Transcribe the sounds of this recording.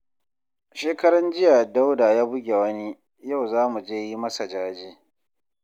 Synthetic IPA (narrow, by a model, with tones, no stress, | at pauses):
ʃeː˦kɐ˦ɾɐ˦nd͡ʒɪ˦ja˨da˦wda˨jaː˦bʊ˦ɡʲe˨wɐ˦ni˦ | ja˦˨wzaː˦mu˨d͡ʒeː˦ji˦mɐ˦sa˨d͡ʒaː˦d͡ʒeː˦